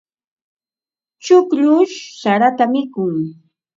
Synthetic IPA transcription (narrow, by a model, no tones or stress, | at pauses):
t͡ʃʊkʎʊʃsaɾat̪amɪkʊŋ